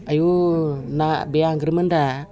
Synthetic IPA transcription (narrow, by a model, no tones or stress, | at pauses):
ajunabeaŋɡɾimənda